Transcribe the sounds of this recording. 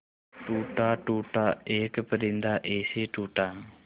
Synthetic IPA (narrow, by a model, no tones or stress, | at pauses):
ʈuːʈaːʈuːʈaeːkəpəɾind̪aːʔeːsiʈuːʈaːŋ